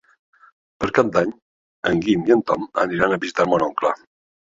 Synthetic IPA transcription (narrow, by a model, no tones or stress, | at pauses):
pəɾkap̚d̪aɲ | ə̰ŋɡimiənt̪ɔmə̰niɾanəβizit̪aɾmɔloŋkla̰